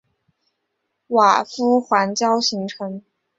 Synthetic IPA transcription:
wa˨˩fu˥xwa˧˥nt͡ɕjɑ˥ʊɕi˧˥ŋʈ͡ʂʰɤ˧˥ŋ

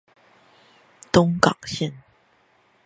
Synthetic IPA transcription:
t̪ʊ˥ŋkɑ̰˨˩ŋɕɛ˥˨n

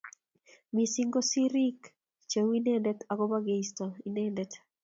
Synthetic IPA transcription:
mi˨si˦ŋɡo˦si˦ɾi˦k | t͡ʃe˨wi˦nɛ˦ndɛ˦t̪a˨ɡoba˦ɡe˨ist̪ɔinɛndɛt̪

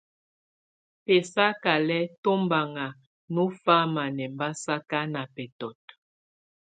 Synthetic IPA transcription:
pɛ˨sa˦ka˨lɛ˦to˦mba˨ŋa˨ | nu˦fa˦ma˨nɛ˨mba˦sa˦ka˦na˨pɛ˨tɔ˨t

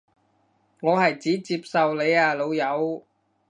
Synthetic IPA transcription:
ŋɔː˨˧hɐ˨jt͡siː˨˥t͡siː˧p̚sɐ˨wle˨˧jaː˨˧lo˨˧wjɐ˨˧w

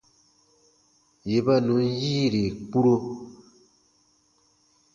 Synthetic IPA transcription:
je˨ba˦nũ˨˦n˦jiː˦ɾi˨k͡pu˦ɾo˦

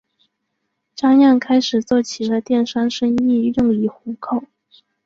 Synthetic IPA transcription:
ʈ͡ʂa˥ŋja˥˩ŋkʰa˥ɪʂɻ̩˨˩t͡swɔ˥˩t͡ɕʰi˨˩d̪ə˧t̪jɛ˥˩nʂa˥nʂɤ˥ŋi˥˧jʊ˥˩ŋli˧˥˩xu˧˥kʰo˥˩ʊ

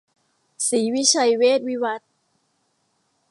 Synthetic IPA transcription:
siː˩˦wi˦˥t͡ɕʰa˧jweː˥˩t̪̚wi˦˥wa˧t̪̚

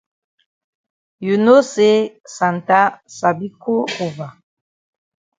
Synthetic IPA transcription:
ju˨no˦se˦ | sa˨n˨ta˦sa˨bi˦ko˦o˨va˨

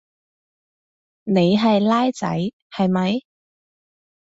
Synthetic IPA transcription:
ne˨˧jɦɐ˨jlaː˥jt͡sɐ̰˨˥j | hɐ˨jmɐ˨˧j

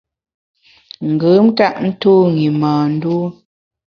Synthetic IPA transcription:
ŋ̩˨ɡə˨˦m̩˦ta˦ʔn̩˦tuː˦ŋi˨maː˨n̩˦du˦

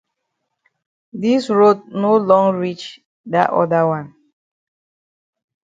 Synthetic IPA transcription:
di˦sɹo˦dno˦lɔ̃˦ŋɹi˦t͡ʃ | da̰˨ʔɔ̰˦da˦wã˦n

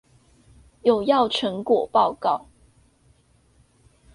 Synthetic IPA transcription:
jo˨˩ʊjɑ˥˩ʊʈ͡ʂʰə˧˥ŋkwɔ˨˩pɑ˥˧ʊkɑ˥˩ʊ

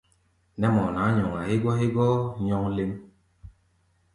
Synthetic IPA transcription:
nɛ˦mɔ˨na˨˦ɲɔ˨ŋa˨he˦ɡwa˦e˦ɡɔ˦ɲɔ˦ŋle˦m

